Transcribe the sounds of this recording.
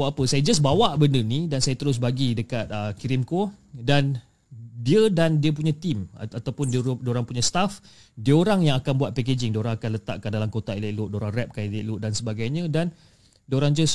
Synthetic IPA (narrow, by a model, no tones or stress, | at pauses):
waʔapəsajad͡ʒas̬bawaʔbəndənidansajat̪əɾʊs̬baɡidəkat̪̚əkiɾimkodan | diədandiəp̬uɲat̪imat̪awpʊnddoɾaŋpuɲãst̪af | diəoɾaŋjaŋakanbuat̪̚pɛk̬ed͡ʒɪŋdioɾaŋakanlət̪a̰ʔkandalamkot̪ailaʔluʔdoɾaŋrɛp̚kanilaʔlʊʔdansəbaɡajɲə̃dan | doɾaŋd͡ʒəs